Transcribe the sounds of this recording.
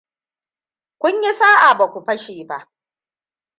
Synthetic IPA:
kʷʊ˦ɲji˦saː˦ʔa˨ba˨kʷu˨ɸɐ˦ʃeː˨ba˦ʔ

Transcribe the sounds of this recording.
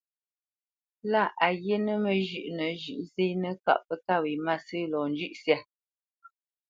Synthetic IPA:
la˦˨ʔa˨je˦nə˦mə˨ʒʉ˨ʔnə˨ʒʉ˨ʔse˦nə˦ka̰˦˨ʔpə˨ka˦˨wi˨ma˦sɨ˦lɔ˨n˨d͡ʒʉ˦ʔsja˦˨

